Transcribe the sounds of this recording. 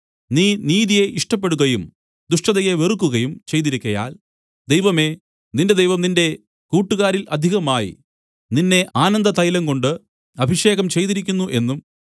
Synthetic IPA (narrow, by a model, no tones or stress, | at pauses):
niːniːðije̞ʔiʂʈɐp̬ːe̞ɽuɣɐjum | d̪uʂʈɐðɐjeʋerukːuɣɐjumt͡ɕe̞jt̪iɾikʲːɐja̰ːl | d̪e̞jʋɐme̞ | ninde̞d̪ejʋɐmninde̞ | kuːʈːuɣaːɾilɐd̪ʱiɣɐmaːjḭ | ninːe̞ʔaːnɐnd̪ɐt̪ɐjlɐŋko̞ɳɖɨ | ɐbʱiʂe̞ːɣɐmt͡ɕe̞jt̪iɾikʲːunːuʔe̞nːum